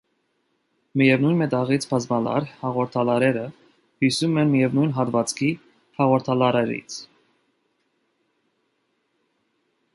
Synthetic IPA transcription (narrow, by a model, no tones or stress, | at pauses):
mijɛvnujnmɛt̪ɑʁit͡sʰpʰɑzmɑlɑ̰ɾhɑʁɔɾt̪ʰɑlɑɾɛɾə | hisumɛnmijɛvnujnɦɑt̪vɑt͡skʰi | hɑʁɔɾt̪ʰɑlɑɾɛɾḭt͡sʰ